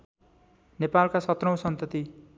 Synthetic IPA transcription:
nepalkasʌt̪rʌ̃w̃sʌnt̪ʌt̪i

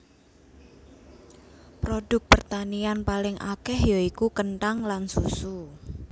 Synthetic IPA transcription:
pɾodʊk̚pərt̪anianpalɪŋʔa̰kɛhjoikukənʈaŋlansusu

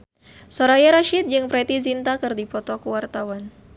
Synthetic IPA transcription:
soɾajaɾaʃit̪̚d͡ʒɨŋpɾɛt̪izint̪akɨrdipɔt̪ɔkəwart̪awan

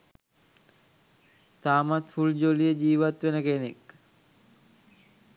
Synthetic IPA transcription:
t̪aːmat̪fuld͡ʑolijəd͡ʑiːʋat̪ʋenəkenek

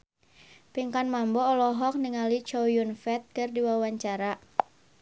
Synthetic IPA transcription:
piŋkanmambɔːlɔɦɔk̚niŋalit͡ʃɔjunfɛt̪̚kɨrdiwawaɲt͡ʃaɾa

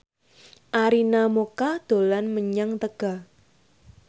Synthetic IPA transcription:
ʔaɾinamokad̪̥olanməɲaŋt̪əɡ̥a̤

